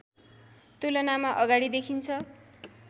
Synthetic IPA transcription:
t̪ulʌnamaʔʌɡaɽid̪ekʰint͡sʰʌ

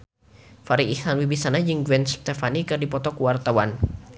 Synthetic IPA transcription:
faɾiihanwibisanad͡ʒɨŋɡwɛnst̪efanikɨrdipɔt̪ɔkuwart̪awan

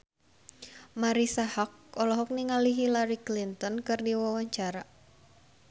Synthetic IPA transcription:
maɾisahɔk̚ɔlɔɦɔk̚niŋaliɦilaɾiklint̪ɔnkɨrdiwawaɲt͡ʃaɾa

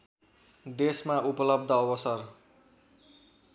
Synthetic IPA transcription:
d̪esmaʔupʌlʌb̚d̪ʱʌːwʌsʌr

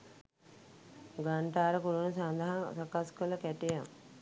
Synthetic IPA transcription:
ɡaɳʈaːɾəkuɾunəsand̪aɦasakaskələkɛʈejam

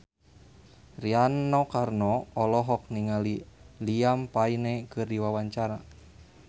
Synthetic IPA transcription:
rianɔkarnɔɔlɔɦɔk̚niŋaliliampainɛkɨrdiwawaɲt͡ʃaɾa

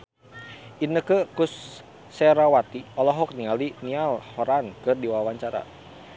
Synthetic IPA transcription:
ʔinəkəkusː | ɛɾawat̪iɔlɔɦɔk̚nialinialhɔɾankɨrdiwawaɲt͡ʃaɾa̰

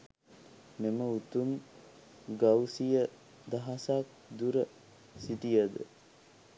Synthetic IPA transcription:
meməut̪um | ɡawsijə | d̪aɦasak̚d̪uɾə | sit̪ijəd̪ə̰

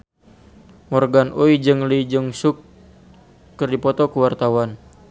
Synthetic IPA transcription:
mɔrɡanʔoid͡ʒɨŋlid͡ʒəŋsʊkː | ɨrdipɔt̪ɔkəwart̪awan

